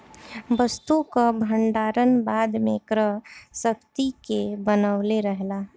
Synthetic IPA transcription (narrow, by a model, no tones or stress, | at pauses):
ʋəst̪ukabʱəɳɖaːɾənbaːd̪mẽkɾəɦsək̚t̪ikebənəʊleɾəɦlaː